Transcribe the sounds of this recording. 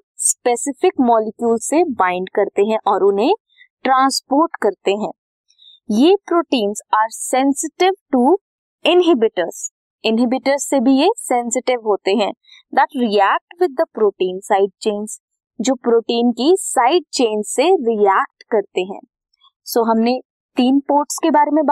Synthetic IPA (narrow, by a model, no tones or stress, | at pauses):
spesɪfɪkmɔːlɪkjuːlsebãːɪ̃ɳɖkɐɾt̪eɦɛ̃ʔɔːɾʊnɦẽ | ʈɾãːnspoːɾʈkɐɾt̪eɦɛ̃ː | jepɾoːʈĩːnzaːɾsɛ̃nsɪʈɪʋʈu | ɪ̃nɦɪbɪʈəɾz | ɪ̃nɦɪbɪʈəɾzsebʱijesɛ̃nsɪʈɪʋɦoːt̪eɦɛ̃ː | d̪əʈɾiɛːk̚ʈʋɪd̪ːəpɾoːʈiːnsaːɪɖ̚t͡ʃẽːnz | d͡ʒoːpɾoːʈiːnkisaːɪɖ̚t͡ʃẽːnzseɾiɛːk̚ʈkɐɾt̪eɦɛ̰̃ː | soːɦɐmne | t̪iːnpoːɾʈskebaːɾemẽba